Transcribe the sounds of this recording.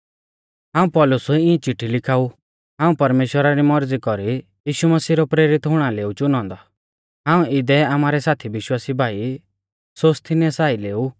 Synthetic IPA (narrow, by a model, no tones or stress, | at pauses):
ɦãːũpɔlʊsuĩɛ̃t͡ʃɪʈʰːilɪkʰaːu | ɦãːũpɐɾmeːʃwəɾaɾimɔɾd͡zikɔɾi | jiːʃumɐsiːɾɔpɾeːɾɪt̪ɦʊɽ̃aleːut͡ʃʊnɔ̃ːnd̪ɔ | ɦãːũɪd̪ɛamaːɾɛsaːt̪ʰibɪʃwaːsibʱaːi | soːst̪ʰinɛsaːileːu